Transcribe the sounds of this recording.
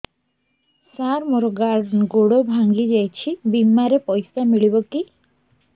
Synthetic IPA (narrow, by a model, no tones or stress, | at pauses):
saɾmoɾɔɡaɾɖnɡoɽobʱaŋɡid͡ʒajt͡ʃʰibimːaɾepɔjsamiɭibɔki